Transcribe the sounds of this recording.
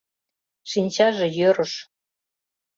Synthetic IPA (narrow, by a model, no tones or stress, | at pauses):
ʃinʲt͡ɕɑʒĕjøɾə̆ʃ